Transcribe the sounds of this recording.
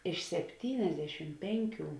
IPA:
ɪʃ sʲɛpʲˈtʲiːnʲɛzʲdʲɛʃʲɪm ˈpʲɛŋʲˌkʲuː

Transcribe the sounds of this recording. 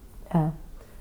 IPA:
ˈnʲɛ

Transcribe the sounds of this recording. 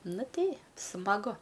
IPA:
ˈnʊ ˈtʲɛɪ smɐˈɡʊ

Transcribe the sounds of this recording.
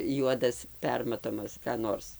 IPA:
ˈjuɔdɐs ˈpʲɛrmɐtoːmɐs kɑː ˈnoːrs

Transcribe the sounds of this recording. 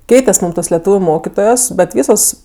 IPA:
ˈkʲɛɪtʲɛsʲ ˈmuːm toːs lʲɛˈtuːʋʲʊ ˈmoːkʲɪtoːjoːs bʲɛt ˈʋʲiːsoːs

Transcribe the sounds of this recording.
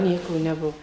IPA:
ˈnʲiɛkoː nʲɛˈbuɔ

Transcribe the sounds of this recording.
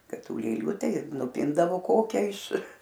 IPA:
ˈkɐt ˈtuː lʲeːˈlʲuː ˈtɐɪ ɪr nʊˈpʲɪndɐʋoː ˈkoːkʲɛ ɪʃ

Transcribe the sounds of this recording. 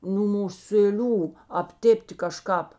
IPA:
nuː mʊsʲeːˈlʲuː ɐpʲˈtʲeːpʲtʲɪ kɐˈʃkɑːp

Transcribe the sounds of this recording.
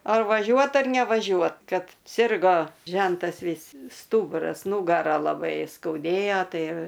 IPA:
ˈɐr ʋɐˈʒʲuɔt ɐr nʲɛʋɐˈʒʲuɔt ˈkɐt ˈsʲɪrɡoː ˈʒʲɛntɐs ˈʋʲiːs ˈstuːbʊrɐs ˈnuːɡɐrɐ lˠɐˈbɐɪ skɐʊˈdʲeːjoː ˈtɐɪ

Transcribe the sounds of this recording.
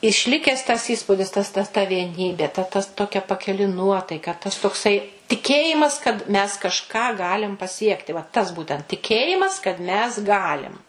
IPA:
ɪʃʲˈlʲɪkʲɛs ˈtɐs ˈiːspʊdʲɪs ˈtɐs tɐ tɐ ʋʲiɛˈnʲiːbʲeː tɐ ˈtɐs ˈtoːkʲɛ pɐkʲɪˈlʲɪ ˈnuɔtɐɪkɐ ˈtɐs toːkˈsɐɪ tʲɪˈkʲeːjɪmɐs kɐt mʲɛs kɐʃˈkɑː ˈɡɑːlʲɪm pɐˈsʲiɛktʲɪ ʋɐ tɐs ˈbuːtʲɛnt tʲɪˈkʲeːjɪmɐs kɐt mʲɛs ˈɡɑːlʲɪm

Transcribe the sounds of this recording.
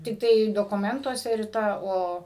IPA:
tʲɪkˈtɐɪ doːkʊˈmʲɛntuɔsʲɛ rʲɪˈtɐ ˈoː

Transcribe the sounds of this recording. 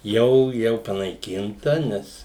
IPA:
ˈjɛʊ ˈjɛʊ pɐnɐɪˈkʲɪntɐ ˈnʲɛs

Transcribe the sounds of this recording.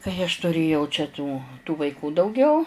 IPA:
kɐɪ ɐʃ tʊˈrʲeːjɛʊ t͡ʃʲɛ tuː tuː ʋɐɪˈkuː dɐʊˈɡʲɛʊ

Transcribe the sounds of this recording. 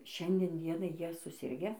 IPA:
ˈʃʲɛnʲdʲiɛn ˈdʲiɛnɐɪ ˈjiɛ sʊˈsʲɪrʲɡʲɛ

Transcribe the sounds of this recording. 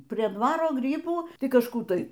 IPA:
pʲrʲiɛ ˈdʋɑːroː ˈɡrʲiːbuː ˈtɐɪ kɐʃˈkuː ˈtɐɪ

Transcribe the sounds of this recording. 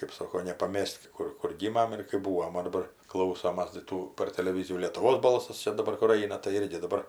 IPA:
kɜp ˈsoːkoː nʲɛpɐˈmʲɛsʲtʲ ˈkʊr kʊr ˈɡʲiːmɐm ɪr kɜp ˈbuːʋoːm oː dɐˈbɐr ˈklˠɐʊsoːmɐs tɐɪ ˈtuː pɐr tʲɛlʲɛˈʋʲiːzʲɪjuː lʲeːtʊˈʋoːs ˈbɐlˠsɐs ˈt͡ʃʲɛ dɐˈbɐr kʊr ˈɐɪnɐ tɐɪ ˈɪrʲɡʲɪ dɐˈbɐr

